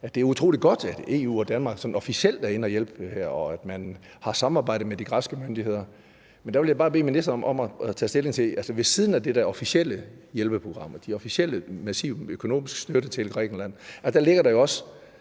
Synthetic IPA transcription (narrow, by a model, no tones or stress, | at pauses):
æd̥e̝æɐut͡sʰʁo̰ːli̥ɡ̥ɒ̽d̥æd̥e̝ːṵːɒ̽d̥ænmɑ̈ːɡ̥sɒ̥̽nɒ̽fisiel̰d̥æɐe̝nəɒjel̰b̥hæɐ̰ɒ̽æd̥mæn | hɑ̈sɑ̈mɑ̈ːbɑ̈ɪ̰dð̩ˠmed̥iɡ̥ʁɑ̈sɡ̥əmønd̥ihe̝ð̞̰ˠɐ | mend̥æʋe̝ljabɑ̈ːb̥e̝̰ːminisd̥ɐɒ̽mʔɒ̽mæt͡sʰɛ̰ːsd̥e̝le̝ŋt͡sʰe̝ælsəʋe̝siːðˠn̩æd̥ed̥æɐɒ̽fisel̰ə | jelb̥əpʰʁo̝ɡ̥ʁɑ̈m̰ɐd̥iɒ̽fisel̰əmæsḭʊøkʰo̝no̝̰ːmisɡ̥sd̥øɾət͡sʰe̝lɡ̥ʁɛ̰ːɡ̥n̩læn̰æsd̥æɐle̝ɡ̥ɐɾɑ̈jo̝ɒ̽s